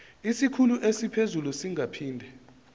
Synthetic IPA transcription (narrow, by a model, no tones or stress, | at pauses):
isikʰuluʔesipʰezulusiŋʱapʰiːndʱɛ